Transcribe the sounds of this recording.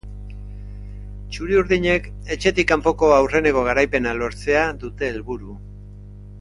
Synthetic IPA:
t͡ʃuɾiuɾðiɲe̞k | e̞t͡ʃe̞t̪ikːampo̞ko̞awre̞ne̞ko̞ɣ̞aɾajpe̞nalo̞ɾt͡se̞aðut̪e̞ːlβuɾu

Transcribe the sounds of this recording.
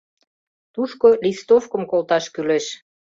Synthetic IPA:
t̪uʃkolist̪ofkə̆mkolt̪ɑʃkyleʃ

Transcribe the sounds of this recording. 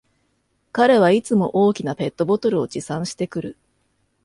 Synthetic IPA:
kaɾe̞β̞ait͡sɨmo̞ʔo̞ːkʲinape̞t̪ːo̞bo̞t̪o̞ɾɯ̟o̞d͡ʑisãɰ̃ɕi̥t̪e̞kɯ̟ɾɯ̟

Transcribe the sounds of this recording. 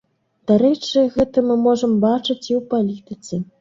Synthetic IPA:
d̪̥aɾɛt͡ʂɨɣɛt̪ɐmɨmɔʐɐmbat͡ʂɨt͡sʲiwpalʲit̪ɨt̪sɨ

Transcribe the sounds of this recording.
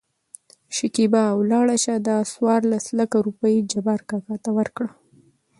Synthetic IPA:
ʃɪkibaːwlɑɽaʃad̪ɑswɑɾlaslakaɾupəjd͡ʒabaɾkɑkɑt̪awəɾkɽa

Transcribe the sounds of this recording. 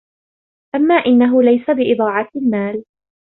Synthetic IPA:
ʔamːaːʔɪnːaɦʊlajsabɪʔɪd̪ˤɑːʕɑt̪lmaːl

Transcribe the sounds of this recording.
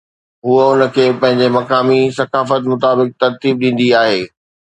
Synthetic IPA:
ɦuəʊnə̆kʰeːpɐ̃ɦɪ̃ɲ̆d͡ʑemɐkaːmisɐkaːfət̪mʊt̪aːbɪk̚t̪ɐɾt̪iːb̚ɗĩːn̆d̪iaːɦeː

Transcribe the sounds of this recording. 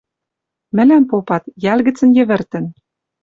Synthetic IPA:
mɘ̆læmpopɑt̪jælɣɘ̆t͡sə̆njɘ̆βɘ̆rt̪ɘ̆n

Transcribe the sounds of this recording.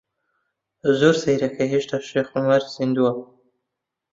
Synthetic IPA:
zuɾsaɾakaɦiʃt̪aʃexʊmaɾsɪnd̪ua

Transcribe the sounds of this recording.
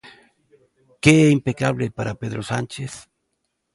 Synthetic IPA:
keeimpekaβlepaɾapeðɾosant͡ʃeθ

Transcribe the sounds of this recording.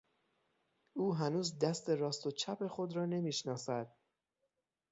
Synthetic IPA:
ʔuːɦænuːzd̪æst̪e̞ɾɒːst̪o̞t͡ʃʰæpʰe̞xo̞d̪ɾɒːne̞miːʃnɒːsæd̪̥̚

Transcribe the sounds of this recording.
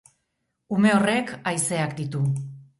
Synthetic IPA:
ume̞o̞re̞kajse̞akd̪it̪u

